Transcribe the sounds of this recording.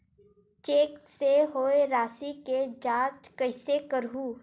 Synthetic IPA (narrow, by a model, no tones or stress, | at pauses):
t͡ʃeːkseɦoːeɾaːsiked͡ʒaːt͡ʃkəɪsekəɾɦuː